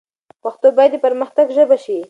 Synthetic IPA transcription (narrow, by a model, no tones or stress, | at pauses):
paxt̪obajad̪ipaɾməxt̪aɡʒəbaʃi